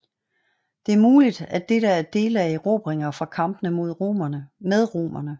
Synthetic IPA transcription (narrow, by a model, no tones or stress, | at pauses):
d̥e̝æɐmuːlid̥æd̥e̝ɾ̥əæɐd̥e̝ːlæiʁo̰ːb̥ʁeŋɐfʁɑ̈kʰɑ̈mb̥ənəmo̝ð̞̰ˠʁomɐnəmeð̞ˠʁo̝̰ːmɐnə